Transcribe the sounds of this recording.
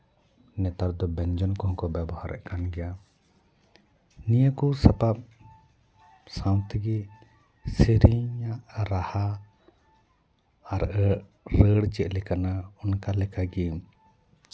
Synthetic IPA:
nɛt̪aɾd̪ɔbɛnd͡ʒɔnkɔɦɔ̃kɔbɛbɔhaɾʔɛ̰ʔkanɡɛja | nijəkusapap̚ | sãwt̪iɡɛ | siɾiɲaʔɾaha | ɾʔə | ɾəɽt͡ʃɛʔ̚lɛkanaɔnkalɛkaɡɛ

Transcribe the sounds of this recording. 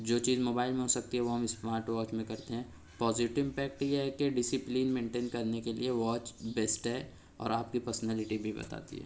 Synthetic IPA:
d͡ʒoːt͡ʃiːzmoːbaːɪlmẽɦosɐk̚t̪iɦɛʋoɦɐmɪsmaːɾʈʋɔːt͡ʃmẽkɐɾt̪eɦɛ̃ː | pɔːzɪʈɪʋpɛːk̚ʈjeɦɛkeɖɪsɪpliːnmẽːɳʈeːnkɐɾnekelḭeʋɔːt͡ʃbeːsʈɦɛː | ɔ̰ːɾaːp̚kipɐɾsnɛːlɪʈibʱibɐ̰t̪a̰ːt̪ḭɦɛ̰ː

